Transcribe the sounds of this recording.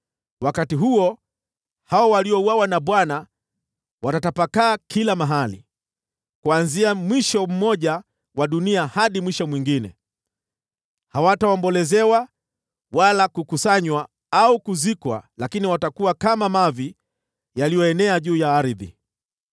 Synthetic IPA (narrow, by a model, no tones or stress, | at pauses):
wakatiɦuɔ | haɔwaliɔuwawanaɓwana | watatapakaːkʰilamaɦalḭ | kuanziamwiʃɔm̩mɔʄa | waɗuniahaɗimwiʃɔmwiŋɡinɛ̰ | hawatawambɔlɛzɛwa | walakukusaɲwa | aukuzikwa̰lakiniwatakuwakamamavi | jalijɔɛnɛaʄuːjaːɾiðḭ